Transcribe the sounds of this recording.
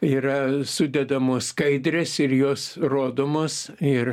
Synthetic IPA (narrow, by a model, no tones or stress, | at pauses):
iːrɐsʊd̪ʲɛd̪ɐmoːsskɐɪd̪ʲɾʲɛsɪɾjoːsroːd̪oːmoːsɪr